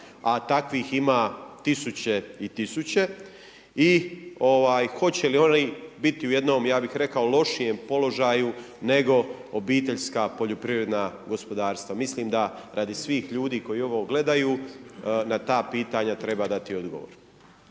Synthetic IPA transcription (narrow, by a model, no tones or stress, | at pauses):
at̪akʋiːximaːt̪isut͡ɕe̞it̪isut͡ɕe̞ | io̞ʋaːjxo̞t͡ɕe̞lio̞nibit̪iuje̞d̪no̞ːmjaːbixɾe̞kaolo̞ʃijempo̞lo̞ʒaju | ne̞ɡo̞ | obiːt̪e̞ʎskaːpo̞ʎopɾiʋɾed̪naːɡo̞spo̞d̪aːɾst̪ʋamisliːmd̪aɾʔad̪isʋiːxʎuːd̪iːko̞jio̞ʋo̞ɡle̞d̪ajuː | nat̪aːpiːt̪aɲat̪ɾe̞baːd̪at̪io̞d̪ɡo̞̰ʋo̰ɾ